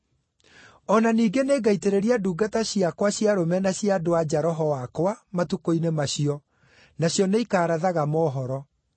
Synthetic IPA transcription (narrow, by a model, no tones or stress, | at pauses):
ɔnaniːɡeneːɡaiteɾeɾiaduːɡataɕiakwaɕjaɾomɛnaɕiadoad͡ʑaɾɔɦɔwakwamatukoinemaɕiɔ | naɕjɔneikaːɾaðaɣamɔːɦɔɾɔ